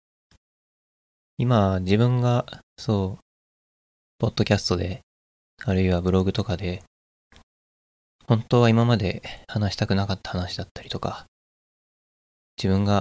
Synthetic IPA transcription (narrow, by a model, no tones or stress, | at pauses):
imad͡ʑibɯ̟̃ŋɡaso̞ː | po̞d̪̥ːo̞kʲasɨ̥t̪o̞d̪e̞ | aɾɯ̟iβabɯ̟ɾo̞ɡɯ̟t̪o̞kad̪e̞ | hõ̞nt̪o̞ːβaimamad̪e̞hanaɕi̥t̪akɯ̟nakat̪ːḁhanaɕid̪at̪ːḁɾʲi̥t̪o̞ka | d͡ʑibɯ̟̃ŋɡa